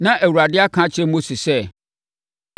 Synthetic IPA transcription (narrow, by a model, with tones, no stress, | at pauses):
nã˦ʔæ˨wu˨ɾa˨dɪ˦a˦kʰã˦t͡ɕʰɛ˦mõ˦si˨sɛ˦